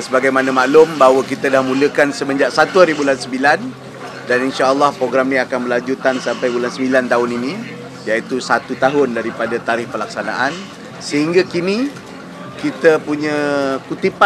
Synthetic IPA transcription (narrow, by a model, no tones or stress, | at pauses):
nsəbaɡajmanamaʔlʊmbaɦwəkit̪adahmũləkansəməɲd͡ʒaʔsat̪uaɾibulansəmbilan | daninʃaʔəlːɔhpɾoɡɾamnĩakanbəlaɲd͡ʒut̪ansampajbulansəmilant̪aɦʊninĩ | jait̪usat̪ut̪aɦʊndaɾipadat̪aɾɪhpəlak̚sana̰ʔan | səɦiŋɡakini | kit̪əpuɲə̃kut̪ipa